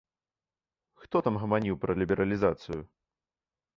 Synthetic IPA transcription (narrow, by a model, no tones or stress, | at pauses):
xt̪ɔt̪amɣɐmanʲiwpɾɐlʲibʲɛɾʔɐlʲizat̪sɨju